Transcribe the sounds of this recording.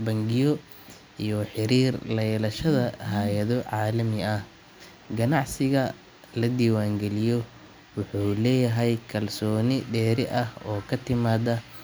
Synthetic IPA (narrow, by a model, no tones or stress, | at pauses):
bɐŋɡɪjɔ | ʔijɔħɪɾiːrlɐjɛlɐʃɐðɐɦɐjɐðɔʕɑːlɐmɪɐh | ɡɐnɑʕsɪɣɐ | lɐd̪iːwaːŋɡɛlɪjɔ | wʊħuːlɛːjɐɦɛjkʰɐlsɔːnɪɖɛːɾɪʔɐhɔːkʰɐt̪ʰɪmaːðɐ